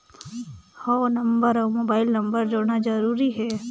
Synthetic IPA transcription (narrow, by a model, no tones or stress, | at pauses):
hoːnɐmbəɾoːmoːbaːɪlnɐmbəɾd͡ʒoɽnad͡ʒəɾuːɾiɦɛː